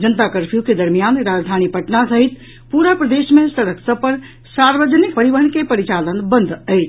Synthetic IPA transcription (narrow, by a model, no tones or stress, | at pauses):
d͡ʒənt̪akəɾpʰjuked̪əɾmijanɾad͡ʒd̪ʱanipəʈnasəɦit̪ | puɾapɾəd̪esmẽsəɽəksəpəɾ | saɾʋəd͡ʒənik̚pəɾiʋəɦənkepəɾit͡ʃalənbənd̪ʱəjt͡ʃʰ